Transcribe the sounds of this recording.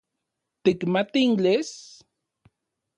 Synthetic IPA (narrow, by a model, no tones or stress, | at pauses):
t̪ikmat̪int͡ɬes